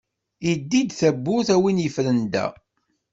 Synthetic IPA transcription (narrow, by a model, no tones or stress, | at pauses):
id̪ːid̪θæbːuθæwinjəfɾənd̪æ̰